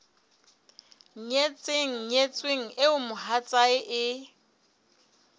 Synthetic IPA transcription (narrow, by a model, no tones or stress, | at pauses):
ɲet͡sʼeŋ̩ɲet͡sʼweŋ̩ɪʊmʊɦat͡sʼaɪʔɪ